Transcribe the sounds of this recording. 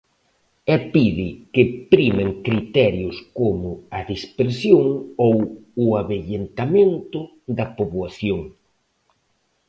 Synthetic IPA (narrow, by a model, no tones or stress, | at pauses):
ɛpiðɪkɪpɾimeŋkɾit̪ɛɾjʊskomʊɐðispeɾsjoŋowʊaβeʎent̪amẽnt̪ʊ | ðɐpoβwaθjoŋ